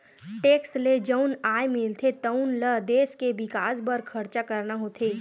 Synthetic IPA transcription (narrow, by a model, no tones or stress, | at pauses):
ʈeːksled͡ʒəʊnaːemɪlt̪ʰet̪ɐʊnləd̪eːskeʋɪkaːsbəɾkʰɐɾt͡ʃakɐɾnaɦoːt̪ʰeː